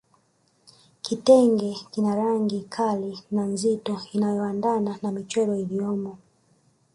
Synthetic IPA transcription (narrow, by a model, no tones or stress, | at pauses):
kitɛŋɡɛkinaɾaŋɡikʰalinam̩zitɔinajɔandananamit͡ʃwɛɾɔiliɔmɔ